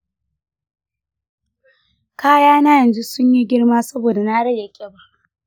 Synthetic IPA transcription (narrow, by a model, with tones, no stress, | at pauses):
kaː˦jaː˦na˦jɐ˨nzu˦sʊ˦ɲji˦ɡʲɪ˦ɽmaː˦sɐ˦boː˨da˨naː˦ɽɐ˦ja˨kʲʼe˦ba˦ʔ